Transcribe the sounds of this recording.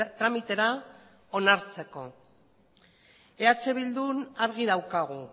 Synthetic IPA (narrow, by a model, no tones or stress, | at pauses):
t̪ɾamit̪e̞ɾa | o̞naɾt͡se̞ko̞ | e̞at͡se̞βild̪unaɾɣ̞iðawkaɣ̞u